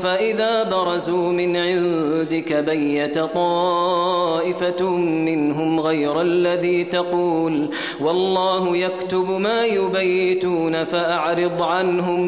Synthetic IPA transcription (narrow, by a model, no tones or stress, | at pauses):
faʔɪðaːbɑɾˤɑzuːmɪnʕɪnd̪ɪkabajːat̪t̪ˤɑː | ʔɪfamɪnɦʊmɣajɾalːaðiːt̪ɑquːl | wɑlˤːɑːɦʊjakt̪ʊbmaːjʊbajːɪt̪uːnafaʔaʕɾɨd̪ˤʕanɦʊm